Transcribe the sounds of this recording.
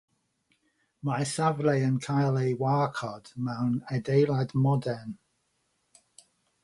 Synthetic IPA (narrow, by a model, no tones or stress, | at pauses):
maɛsavrejənkʰajlˠejwaːkʰɔd̥mɛwnɛdejlˠadmɔdɛn